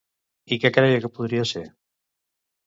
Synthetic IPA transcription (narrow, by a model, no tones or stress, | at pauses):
ikɛkɾajekepuðɾiaseɾ